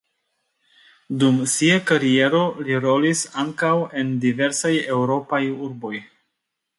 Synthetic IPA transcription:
dumsiakaɾie̞ɾo̞liɾo̞lisaŋkawe̞ndive̞ɾsaje̞wɾo̞pajuɾbo̞j

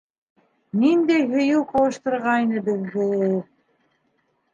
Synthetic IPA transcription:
nind̪æjɦɵ̆juwqɑwˠɤ̆ʃt̪ɤ̆ɾʁɑjnɤbɘ̆ðːɘulˠ

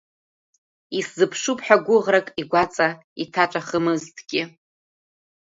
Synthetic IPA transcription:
iszɨpʰʂupʰʼħᶣaɡʷʊʁrakʼiɡʷat͡sʼa | itʰaʈ͡ʂʷʼaχəmɨztʰʼɡʲɪ

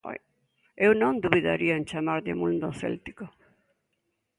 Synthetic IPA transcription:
ewnõnd̪uβiða̰ɾiaent͡ʃamaɾðemũnd̪oθḛlt̪i̥ko

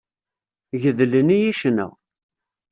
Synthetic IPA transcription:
ʝəðlənijiʃnə̰ʁ

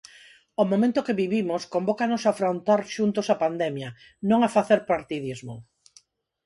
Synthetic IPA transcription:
omomẽnt̪ʊkeβiβimʊskombokanosafɾont̪aɾʃunt̪osapand̪ɛmjɐ | nõŋafaθeɾpaɾt̪iðizmo̰

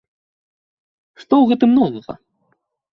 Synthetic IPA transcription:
ʂt̪ɔwɣɛt̪̬ɨmnɔvɐɣɐ̰

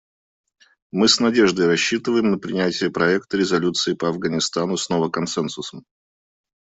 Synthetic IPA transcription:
mɨsnɐdʲeʐd̪əjɾɐɕːit̪ɨvəjɪmnəpɾʲɪnʲætʲɪjəpɾɐɛk̚t̪əɾʲɪzɐlʲut̪sɨɪpəɐvɡənʲɪst̪anʊsnovəkɐnsɛnsʊsəm

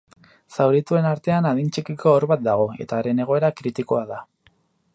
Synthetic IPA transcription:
sawɾit̪ue̞naɾt̪e̞anað̞int͡ʃikiko̞ːɾβat̪̚d̪aɣ̞o̞e̞t̪aːɾe̞ne̞ɣ̞o̞e̞ɾakɾit̪iko̞aða

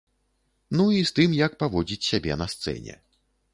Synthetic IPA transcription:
nuist̪ɨmjɐk̚pavɔd͡zʲit͡sʲsʲabʲɛnɐst̪sɛ̰nʲɛ̰

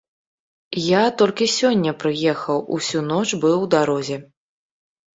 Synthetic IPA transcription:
jat̪ɔlʲkʲisʲɔnʲːɐpɾɨjɛxɐwusʲunɔt͡ʂbɨwd̪aɾɔzʲɛ

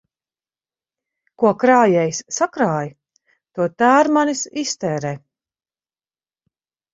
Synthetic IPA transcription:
kuɔkɾaːjɛjsːakɾaːj | t̪uɔt̪aːɾmanisist̪ɛːɾɛː

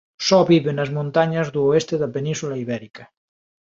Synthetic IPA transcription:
sɔβiβenɐzmõnt̪aɲɐzðuoest̪eðɐpenĩnsulaiβɛɾikɐ

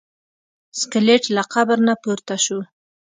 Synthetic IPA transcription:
skɪleʈlaqabəɾnapuɾt̪aʃu

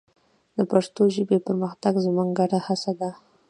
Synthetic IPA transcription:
d̪əpaʂt̪oʒəbepəɾməxt̪aɡzmuŋɡaʈahasad̪a

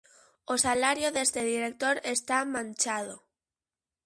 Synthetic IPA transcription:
osalaɾjoðest̪eðiɾek̚t̪oɾest̪amãnt͡ʃað̞o

